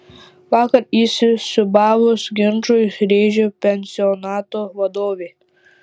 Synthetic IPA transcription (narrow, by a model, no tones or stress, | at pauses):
ʋɑːkɐɾiːsʲɪsʊbɑːʋʊsɡʲɪnʒojsɾʲeːʒʲopʲɛnʲsʲɪɔnɑːt̪oːʋɐd̪oːʋʲeː